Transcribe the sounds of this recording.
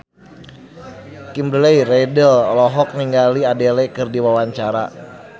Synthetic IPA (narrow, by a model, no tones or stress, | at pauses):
kimbɾlejrɛdəlɔlɔɦɔk̚niŋɡaliadelɛkɨrdiwawaɲt͡ʃaɾa̰